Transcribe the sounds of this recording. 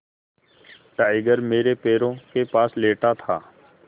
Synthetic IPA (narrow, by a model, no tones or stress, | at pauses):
ʈaːɪɡəɾmeːɾepeːɾõkepaːsleːʈat̪ʰaː